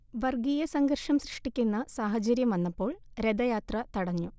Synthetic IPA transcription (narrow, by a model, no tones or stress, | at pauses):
ʋɐrɡijɐsɐŋɡɐrʂɐmsriʂʈikʲːunːɐsaːɦɐt͡ɕɐɾjɐmɐnːɐpːo̞ːɭɾed̪ɐjaːt̪rɐt̪ɐɽɐɲːu